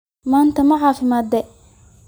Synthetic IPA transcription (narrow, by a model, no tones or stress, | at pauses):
maːnt̪ʰɐmɐʕɑːfɪmaːd̪ɛ